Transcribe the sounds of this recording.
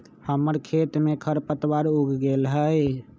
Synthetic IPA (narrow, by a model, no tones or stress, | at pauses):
həməɾkʰet̪mekʰəɾpət̪waɾuɡʱɡelɦəj